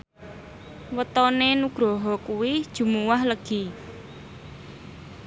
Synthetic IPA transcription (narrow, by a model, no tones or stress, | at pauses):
wət̪ɔnenuɡ̥ɾɔɦɔkuwɪd̥ʒ̥ṳmuwahləɡ̥i